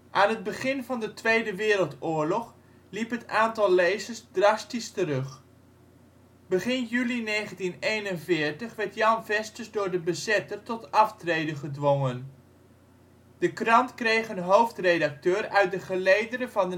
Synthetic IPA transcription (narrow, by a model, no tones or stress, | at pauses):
ʔaːnɦəd̚bəχɪnvɑndətʋejdəʋɪːɾəlˠtʊːɹlɔχ | lipɦətaːntɑlˠlejzəsdrɑstistərɵχ | bəχɪnjylinejχəntinejnənvɪːɹtəχʋɛɹtjɑnvɛstəsdʊːɹdəbəzɛtərtɔtɑftrejdəχədʋoŋən | d̥əkrɑntkrejχənɦowftrejdɑk̚tøːɾœɥt̚dəχəlejdənəvɑnə